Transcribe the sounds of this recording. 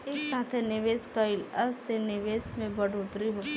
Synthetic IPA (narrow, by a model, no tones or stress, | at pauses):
ɪksaːt̪ʰenɪʋeːskaɪlɐssenɪʋeːsmẽbɐɽʊt̪ɾiɦo